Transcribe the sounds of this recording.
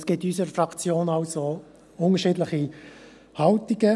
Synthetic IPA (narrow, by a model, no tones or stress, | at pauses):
sɡ̥ɪtysəɾfrɑkt͡sjoːnɑʊso | ʊnəʃiːdlɪχi | hɑltiɡə